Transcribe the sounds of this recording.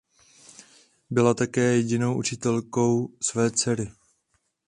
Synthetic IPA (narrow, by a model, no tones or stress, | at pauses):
bɪlat̪akɛːjɛɟɪno̞wʔut͡ʃɪt̪ɛlko̞wsvɛːt͡sɛɾɪ